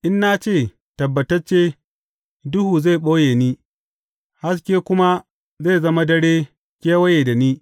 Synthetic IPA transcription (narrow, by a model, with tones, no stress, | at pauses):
ʔɪ˦nːa˦t͡ʃeː˦˨ | tɐ˨bːɐ˨tɐ˦t͡ʃeː˦ | dʊ˦huː˨za˦˨ɓoː˦jeː˨niː˦ | ha˦s̬kʲeː˦kʷʊ˦ma˦ | ze˦˨zɐ˦ma˦dɐ˦ɽeː˦ | kʲeː˦wɐ˦jeː˨da˨niː˦